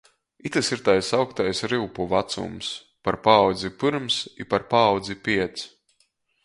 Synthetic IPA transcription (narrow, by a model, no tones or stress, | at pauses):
it̪asiɾt̪ajsawkt̪ajsɾiwpuvat̪sṵms | paɾpaːwd̪zipɨɾmsipaɾpaːwd̪zipʲiɛt̪s